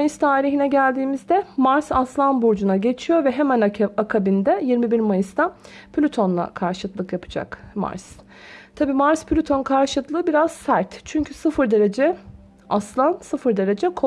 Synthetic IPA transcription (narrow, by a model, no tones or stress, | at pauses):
jɯst̪ʰaːɾiɦinɛɟælʲd̪iːmizd̪ɛmaɾsaslˠanbuɾd͡ʒunaɟe̞t͡ʃʰijo̞ɾvɛɦemænakʰabind̪ɛjiɾmibiɾmajɯst̪apʰlʲyt̪ʰo̞nlˠa̰kʰaɾʃɯt̪lˠɯkjapʰɯ̥d͡ʒa̰kma̰ɾs | t̪ʰabiːmaɾspʰlʲyt̪ʰo̞nkʰaɾʃɯt̪lˠɯːbiɾaz̥sæɾt̪t͡ʃʰyɲcʰysɯfɯɾd̪e̞ɾe̞d͡ʒɛ | aslˠansɯfɯɾd̪e̞ɾe̞d͡ʒɛkʰo